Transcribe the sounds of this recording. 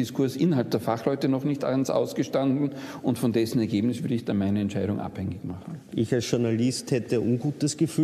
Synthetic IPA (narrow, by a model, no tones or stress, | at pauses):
ɪskʰʊɐsʔɪnɐɦalp̚d̥eːɐfaχlɔʏtənɔχnɪçta̰nsa̰ʊsɡ̥əʃtandn̩ʊntfɔndɛsn̩ɛɐɡeːbnɪsv̥ʏɐdəɪçd̥anmaɪnəɛntt͡ʃʃaɪɾʊŋʔa̰phɛŋɪçmaχn̩ʔɪçalsʃʊɐnalɪsthɛtəʔʊnɡuːtəsɡ̥əfyː